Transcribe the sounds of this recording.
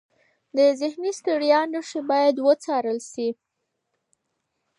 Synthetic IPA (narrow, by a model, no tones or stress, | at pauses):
d̪əzɪhnist̪əɽjɑnəʂibɑjad̪wət͡sɑɾəlʃi